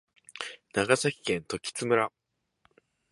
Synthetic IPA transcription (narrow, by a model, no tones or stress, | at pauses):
naɡasaçʲi̥kẽnt̪o̞kʲi̥t͡sɨmɯ̟ɾa